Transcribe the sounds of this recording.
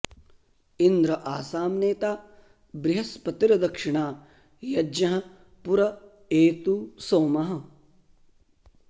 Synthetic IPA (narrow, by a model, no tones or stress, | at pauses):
ind̪ɾɐʔaːsaːmneːt̪aː | bɾɪɦɐspɐt̪iɾɐd̪ɐkʂɪɳaː | jɐd͡ʒɐɦɐ̆ | puɾɐ | eːt̪uːsoːmɐɦɐ̆